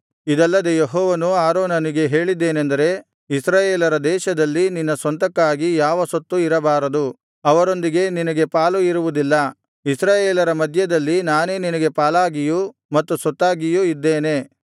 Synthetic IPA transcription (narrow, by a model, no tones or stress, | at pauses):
id̪ɐlːɐd̪ejeɦɔːʋɐnuaːɾoːnɐniɡe̞ɦe̞ːɭid̪ːe̞ːnend̪ɐɾe̞ | isɾaːjeːlɐɾɐd̪ɛːʃɐd̪ɐlːininːɐsʋɐnt̪ɐkːaːɡijaːʋɐsot̪ːuiɾɐbaːɾɐd̪u | ɐʋɐɾo̞nd̪iɡe̞ninɐɡe̞paːluiɾuʋud̪ilːɐ | isɾaːjeːlɐɾɐmɐd̪ʱjɐd̪ɐlːinaːne̞ːninɐɡe̞paːlaːɡijumɐt̪ːusɔt̪ːaːɡijuid̪ːeːne̞